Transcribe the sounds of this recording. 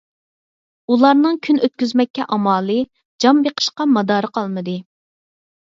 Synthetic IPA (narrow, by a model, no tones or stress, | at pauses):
ulˠɑɾnɨŋkʲʰynøt̪̚kʲyzmɛkʲːɛʔɑmɑːlˠɨ | d͡ʒɑmbeqʰə̥ʃqɑmɑd̪ɑːɾəqʰɑlˠmɨd̪ɨ